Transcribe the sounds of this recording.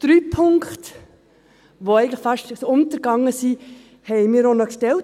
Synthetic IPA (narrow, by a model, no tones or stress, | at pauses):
d̥ɾyːpʰʊŋkχt | ʋoɛɪɡŋ̩tlɪχfɑʃtsoʊnt̪əɾɡ̥ɑŋːəsiː | hɛɪmiːɾonɔkʃtɛlt